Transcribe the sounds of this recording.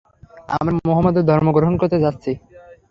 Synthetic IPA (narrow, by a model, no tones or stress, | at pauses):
a̰mɾamoɦɔmːod̪eɾd̪ʱɔɾmoɡɾoɦonkoɾt̪ed͡ʑat̪ːɕʰi